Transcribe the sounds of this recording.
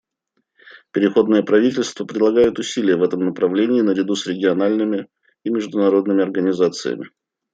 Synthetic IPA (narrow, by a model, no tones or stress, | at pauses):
pʲɪɾʲɪxo̞d̪nɨjəpɾɐvʲitʲɪlʲst̪vəpɾʲɪd̪lˠɐɡajʊt̪ʊsʲilʲɪjəvɛt̪əmnəpɾɐvlʲenʲɪːnəɾʲɪd̪usɾʲɪɡʲɪɐnalʲnɨmʲɪ | imʲɪʐd̪ʊnɐɾo̞d̪nɨmʲɪɐrɡənʲɪzat̪sɨ̰jə̰mʲɪ̰